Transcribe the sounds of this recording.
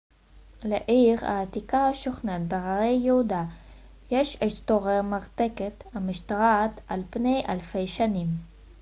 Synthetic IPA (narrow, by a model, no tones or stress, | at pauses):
leʔiʁa̰ːt̪ikaaʃoχnat̪̚baʁaejːehud̪a | jeʃest̪oʁemaʁt̪eket̪hamiʃt̪aʁaːt̪alpnejʔalfejʃanim